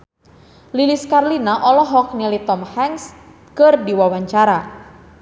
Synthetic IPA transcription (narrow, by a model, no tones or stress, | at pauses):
liliskarlinaʔɔlɔɦɔk̚nilit̪ɔmhɛŋs | kɨrdiwawaɲt͡ʃaɾa